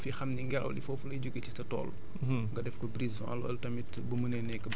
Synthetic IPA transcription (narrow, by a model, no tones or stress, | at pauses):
fixɐmniŋɡɛlɐ̰wdḭfɔfulɐjɟuɡecitɐtɔ̰ːl | ŋɡɐdɛfkɔbɾisfã̰ɐlɐ̰ltɐmit | bumənɛnɛkːə